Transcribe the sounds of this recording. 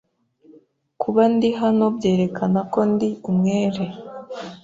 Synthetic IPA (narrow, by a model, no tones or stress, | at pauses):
kʰuβandiɦano̞bje̞ːɾe̞kʰanako̞ndiumŋeːɾe̞